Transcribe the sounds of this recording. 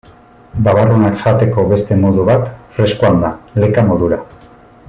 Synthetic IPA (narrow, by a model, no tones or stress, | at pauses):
baβarunakʝat̪e̞ko̞βe̞st̪e̞mo̞ðuβat̪fɾe̞skuand̪ale̞kamo̞ðuɾa